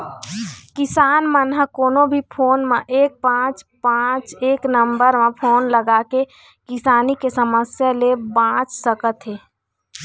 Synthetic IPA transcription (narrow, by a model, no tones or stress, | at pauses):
kɪsaːnmənɦəkoːnõbʱipʰoːnmẽʔeːk̚pãːt͡ʃpãːt͡ʃeːknəmbəɾmẽpʰoːnləɡaːke | kɪsaːnikesəməsjalebãːt͡ʃsəkət̪ɦeː